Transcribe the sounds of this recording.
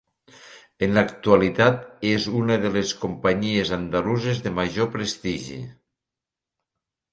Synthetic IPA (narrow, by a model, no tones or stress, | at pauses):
enlakt̪ualit̪at̪ezunəðəleskumpaɲiezand̪aluzezðemaʒopɾest̪iʒḭ